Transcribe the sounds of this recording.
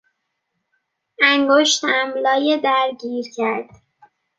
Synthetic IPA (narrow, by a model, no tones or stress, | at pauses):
æŋɡoʃt̪æmlɒːjed̪æɾɟiːɾcʰæɾd̪̥